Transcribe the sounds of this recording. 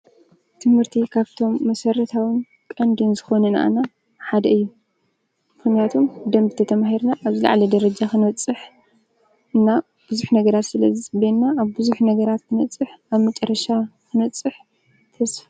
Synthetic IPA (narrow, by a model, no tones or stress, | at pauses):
t̪ʰɨmhɨɾt̪ʰikʰaβt̪ʰo̞mːɐsɐɾɐt̪ʰawɨn | kʼɐnd̪ɨnzɨxo̞nɐna̰ʔa̰na | ħad̪ɐʔɨjːu | mɨxnijat̪ʰomd̪ɐmbɨt̪ʰɐt̪ʰɐmaɦiɾnaʔːβzila̰ʕlɐd̪ɐɾɐd͡ʒaxɨnɐt͡sʼːɨħ | ɨnːa | b̥ɨzuħnɐɡɐɾat̪sɨlɐzisʼbenːaːβbɨzuħnɐɡɐɾat̪kʰɨnɐt͡sʼːɨħaβmɐt͡ʃʼɐɾːɐʃakɨnɐt͡sʼːɨħ | t̪ʰɐsf